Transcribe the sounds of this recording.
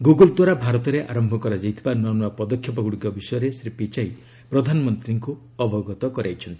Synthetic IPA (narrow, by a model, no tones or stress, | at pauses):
ɡuɡɔld̪waɾabʱaɾɔt̪ɔɾeʔa̰ɾɔmbʱɔkɔɾad͡ʒajt̪ʰibanɔnɔapɔd̪ɔkʰjɔpɔɡuɽikɔbisɔjɔɾesɾipit͡ʃaj | pɾɔd̪ʱanɔmɔnt̪ɾiŋku | ɔbʱɔɡɔt̪ɔkɔɾajt͡ʃʰɔnt̪i̥